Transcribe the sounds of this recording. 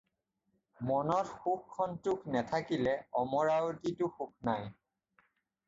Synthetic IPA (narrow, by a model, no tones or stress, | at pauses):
mɔnɔtxukʰːɔntʊknɛtʰakilɛɔmɔɹawkituxuk̚ʰnaj